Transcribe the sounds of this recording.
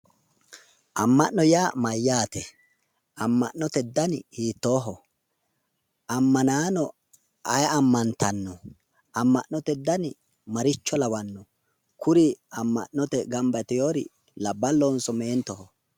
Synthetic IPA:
ʔɐmːɐʔːɔjaːmɐjːaːt̪ɛ | ɐmːɐʔnːɔt̪ɛd̪ːɐnhiːt̪ːoːɦɔ | ɐmːɐnaːnɔ | ʔɐjɐmːɐnt̪ʰɐnːɔ | ɐmːɐʔnːɔt̪ɛd̪ːɐn | mɐɾɪt͡ʃːɔlɐwɐnːɔ | kʰʊɾiɐmːɐ̰ʔːɔt̪ɛɡɐmbɐt̪ɛjoːɾɪ̰ | lɐbːɐlːonsɔmeːnt̪ɔhɔ

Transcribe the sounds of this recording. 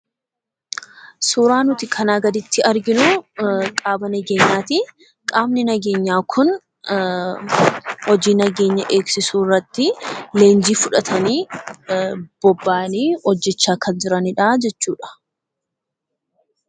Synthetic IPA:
suːɾaːnʊt̪ɪkʰɐnaːɡɐd̪ɪt̪ːɪɐɾɡɪnʊkʼaːbɐnɐɡeːɲːaːt̪ɪ | kʼaːmnɪnɐɡe̞ːɲːaːkʰʊn | hɔd͡ʒiːnɐɡeːɲːɐʔe̞ːksɪsuːrːɐt̪ːɪle̞ːnd͡ʒiːfʊᶑɐt̪ʰɐniː | b̥ɔbːaːniːɔd͡ʒːɛt͡ʃːaːkɐnd͡ʒɪɾɐnɪᶑaːd͡ʒɛt͡ʃːuːᶑɐ̥

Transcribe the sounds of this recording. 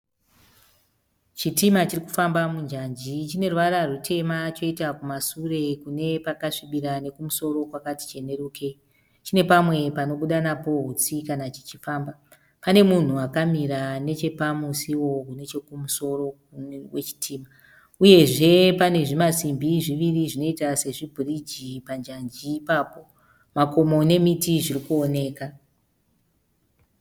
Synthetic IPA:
t͡ʃitimat͡ʃiriku̥fambamund͡ʒand͡ʒit͡ʃine̞ruʋaɾarutʰe̞mat͡ʃo̞itakumasure̞kune̞pakaʂiɓiɾane̞kumuso̞ɾo̞kwakati̥t͡ʃe̞ne̞ɾukʰe̞ | t͡ʃine̞pamwe̞pano̞ɓuɗanapo̞ɦut͡sikanat͡ʃi̥t͡ʃifaːmba | pane̞mun̤uakamiɾane̞t͡ʃe̞pamusiwo̞kune̞t͡ʃe̞kumuso̞ro̞ | wet͡ʃi̥tʰiːma | uje̞ʐe̞pane̞ʐimasimbiʐiʋiriʐino̞itase̞ʐibʱurid͡ʒipand͡ʒand͡ʒiːpaːpo̞ | mako̞mo̞ne̞mitiʐirikuone̞ːka

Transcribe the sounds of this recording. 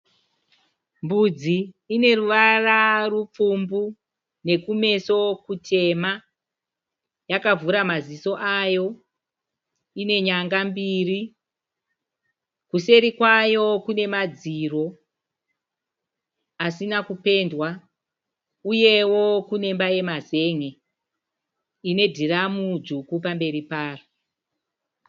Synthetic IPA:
mbud͡ziː | ne̞ruʋararup͡fumbu | ne̞kume̞so̞kutʰe̞ma | jakavuɾamaziso̞ʔajo̞ | ine̞ɲaŋɡambiri | kuse̞ɾikwajo̞kune̞mad͡ziro̞ | asinakupe̞ndwa | uje̞wo̞kune̞mbaje̞maze̞ːŋe̞ | ine̞dʱiramud͡ʒukupambe̞ɾipaːro

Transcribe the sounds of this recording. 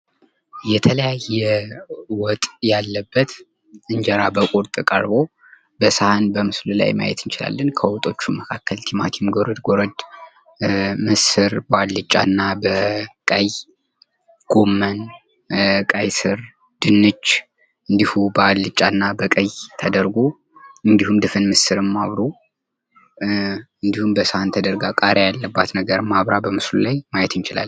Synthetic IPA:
jɛt̪ʰələjajɛwɔt̪ʼjalːəbːət̪ | ɨnd͡ʒɛɾabəkʼuɾt̪ʼɨkʼə̰ɾbo̞ | bəsahanbəmɨslula̰jma̰jɛ̰t̪ɨnt͡ʃɪla̰lːənkʰəwɔt̪ʼo̞t͡ʃːuməkʰakːəlt̪ʰimat̪ʰimɡoɾəd̪ɡoɾəd̪ | mɨsɨɾbəad̪lɨt͡ʃʼːa̰nːabəkʼaj | ɡ̥omːən | kʼajsɨɾ | d̪̥ɨnːɨt͡ʃː | ɨnd̪ihubəalːɨt͡ʃʼːanːabəkʼəjt̪ʰəd̪əɾɡo | ɨnd̪ihumd̪ɨfɨnmɨsɨɾɨmːaβɾo | ɨnd̪ihumbəsəhant̪ʰəd̪əɾɡakʼaɾejalːəbːat̪nəɡəɾɨmːaβɾabəmɨslulajmajɛt̪ɨnt͡ʃɪla̰l

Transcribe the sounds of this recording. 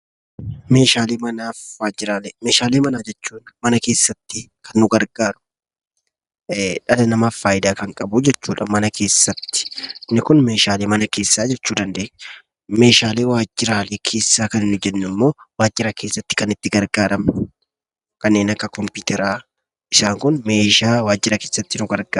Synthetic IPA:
me̞ːʃaːleːmɐnaːfwaːd͡ʒɪɾaːleme̞ːʃaːleːmɐnaːd͡ʒɛt͡ʃːuːnmɐnɐke̞ːsːɐt̪ːɪkʰɐnːʊɡɐɾɡaːɾʊ̥ | ᶑɐlɐnɐmaːfːaːjɪd̪aːkɐŋkʼɐbʊd͡ʒɛt͡ʃːuːᶑɐmɐnɐkʰe̞ːsːɐt̪ːɪ̥ɪnːɪkʊnme̞ːʃaːleːmɐnɐke̞ːsːaːd͡ʒɛt͡ʃːuːd̪ɐnd̪e̞ːɲː | me̞ːʃaːle̞ːwaːd͡ʒːɪɾaːleːkʰe̞ːsːaːkɐnɪnːʊd͡ʒɛnːɪmːo̞ːwaːd͡ʒːɪɾɐkʰe̞ːsːɐt̪ːɪ̥kɐnɪt̪ːɪɡɐɾɡaːɾɐm | kɐnːe̞ːnɐkːɐkɔmpiːt̪ɛɾaː | ʔɪsaːŋkʊnme̞ːʃaːwaːd͡ʒːɪɾɐke̞ːsːɐt̪ːɪnʊɡɐɾɡaː

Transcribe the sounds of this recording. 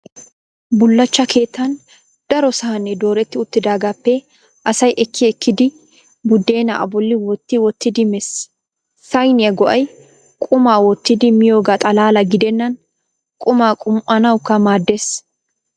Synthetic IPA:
bʊlːɐt͡ʃːɐkʰe̞ːt̪ːɐn | d̪̥ɐɾɔsɐhɐnːɛd̪o̞ːɾɛt̪ːɪʊt̪ːɪd̪aːɡaːpːɛ | ʔɐsɐjʔɛkʰːɪɛkːɪd̪ɪ | bʊd̪ːe̞ːnɐ̰ʔɐ̰bɔlːɪwɔt̪ːɪwɔt̪ːɪd̪ɪmɛsː | ɐjnɪjɐɡɔʔɐj | kʼʊmaːwɔt̪ːɪd̪ɪmɪjo̞ːɡat̪ʼɐlaːlɐɡɪd̪ɛnːɐn | kʼʊmaːkʼʊmʔɐnɐwkːɐmaːd̪ːeːs

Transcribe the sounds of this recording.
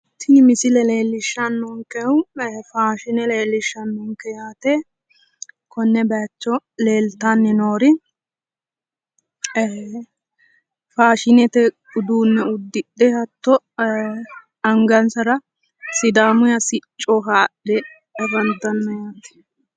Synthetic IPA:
t̪ʰɪnɪmɪsɪlɛle̞ːlːɪʃːɐnːʊŋkɛwfaːʃɪnɛleːlːɪʃːɐnːʊŋkɛjaːt̪ɛ | kɔnːɛbɛt͡ʃːɔleːlt̪anːɛnoːɾɪ | faːʃɪnɛt̪ɛ | ʊd̪uːnːɛʊd̪ːɪɗːɛhɐt̪ːɔ | ɐŋɡɐnsɐɾɐ | sɪd̪aːmʊjɐsɪt͡ʃʼːɔkaːɗɛː | bɐnd̪ɐnːɔjaːt̪ɛ̥

